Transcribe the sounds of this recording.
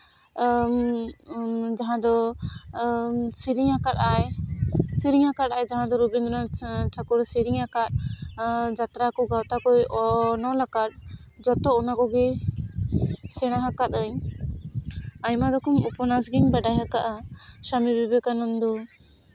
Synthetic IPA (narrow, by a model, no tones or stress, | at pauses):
d͡ʒaɦãd̪ɔ | siɾiɲakat̪ajsiɾiŋakat̪̚ajd͡ʒaɦãd̪ɔɾubind̪ɾɔtʰakuɾsiɾiŋakat̪̚ | d͡ʒat̪ɾakɔɡawt̪akɔjɔnɔlakat̪̚d͡ʒɔt̪ɔɔnakɔɡɛ | sɛɽ̃aɦakat̪̚əɲ | ajmad̪ɔkɔmupɔnasɡiɲbaɖajɦakaʔasamibibɛkanɔnd̪ɔ